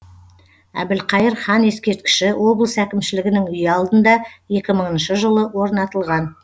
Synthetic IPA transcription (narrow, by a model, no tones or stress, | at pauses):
æ̰bɪlqʰɑjəɾχɑne̞skʲe̞ɾt̪kʲɪ̥ʃɪwʔo̞blˠəsækʲɪmʃɪlɪɡʲɪnɪŋʏjɑlˠd̪ənd̪ɑje̞kʲɪməɴənʃəʒəlˠəwo̞ɾnɑt̪əlˠʁɑn